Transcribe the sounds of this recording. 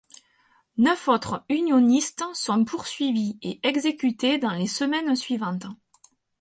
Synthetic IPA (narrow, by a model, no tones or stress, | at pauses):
nœfɔt̪χəynjɔnist̪sɔ̃pʰuʁsɥivieʔɛɡzekʲyt̪ed̪ɑ̃lesəmɛnsɥivɑ̃t̪